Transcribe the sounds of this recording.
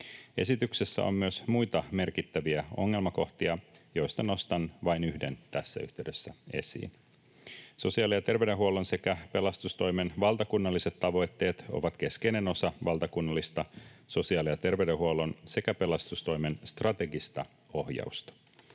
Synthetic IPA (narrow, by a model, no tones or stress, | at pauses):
e̞̰sit̪yksesːæ̰o̰mmyøsmujt̪ɑme̞rkit̪ːæʋiæo̞̰ŋːe̞lmɑko̞ht̪iɑjo̞jst̪ɑno̞st̪ɑnʋɑjnyhde̞̰nt̪æsːæ̰yht̪eyɥdøsːæe̞̰sḭːn | sosiɑlijɑt̪e̞rʋeɥdeɦuolo̞nse̞kæpe̞lɑst̪ust̪o̞jme̞nʋɑlˠt̪ɑkunːɑlːise̞t̪ːɑʋo̞jt̪ːe̞ːt̪o̞̰ʋɑt̪k̟e̞ske̞jne̞no̞sɑʋɑlt̪ɑkunːɑlːist̪ɑso̞siɑːlijɑt̪e̞rʋeɥdeɦuolo̞nse̞kæpe̞lɑst̪ust̪o̞jmenst̪rɑt̪e̞ɡist̪ɑ | o̞hjɑ̰ust̪ɑ̥